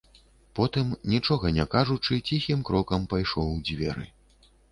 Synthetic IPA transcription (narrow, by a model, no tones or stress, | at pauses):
pɔt̪ɨmnʲit͡ʂɔɣɐnʲɛkaʐut͡ʂɨt͡sʲixʲimkɾɔkɐmpajʂɔwd͡zʲvʲɛ̰ɾɨ̰